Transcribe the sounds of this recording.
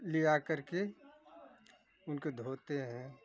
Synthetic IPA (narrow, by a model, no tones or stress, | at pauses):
lijakɐɾke | ʊnked̪ʱoːt̪eɦɛ̃ː